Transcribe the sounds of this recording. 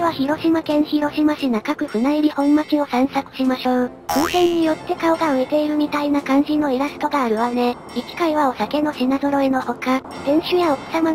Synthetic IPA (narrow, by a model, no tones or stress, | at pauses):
βaçiɾo̞ɕimakẽ̞ɰ̃çiɾo̞ɕimaɕinakakɯ̟ɸɯ̟naiɾʲihõ̞mːakio̞sãɰ̃sakɯ̟̥ɕimaɕo̞ː | kõːsẽ̞ɲ̟ːijo̞t̪ːe̞kaoɡaɯ̟e̞t̪e̞iɾɯ̟mʲit̪ainakãɲ̟d͡ʑino̞iɾasɨ̥t̪o̞ɡaːɾɯ̟βane̞ | ikʲi̥kaiβao̞sake̞no̞ɕinazo̞ɾo̞eno̞ho̞ka | d̪̥ẽ̞ɰ̃ɕɨjaoksama